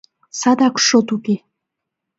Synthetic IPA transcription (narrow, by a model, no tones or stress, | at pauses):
sɑd̪ɑkʃot̪uke